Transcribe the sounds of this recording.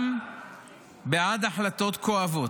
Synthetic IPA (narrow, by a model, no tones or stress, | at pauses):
m | beʕad̪aħlat̪o̞t̪koavo̞t